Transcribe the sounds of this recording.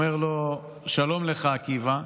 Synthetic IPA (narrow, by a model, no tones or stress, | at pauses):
e̞ʁlo | ʃalo̞mle̞χaːkiva